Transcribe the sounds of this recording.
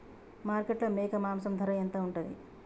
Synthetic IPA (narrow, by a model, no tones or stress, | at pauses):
maːɾkeʈlɐmeːkɐmaːmsɐmd̪ʱɐɾɐjɐnt̪ɐːuɳʈɐnd̪ḭ